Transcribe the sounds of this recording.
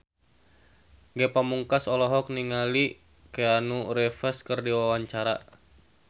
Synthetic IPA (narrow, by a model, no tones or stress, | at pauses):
ŋɡɛpamuŋkasɔlɔɦɔk̚niŋali | keanuɾɛfɛskərdiwawaɲt͡ʃaɾa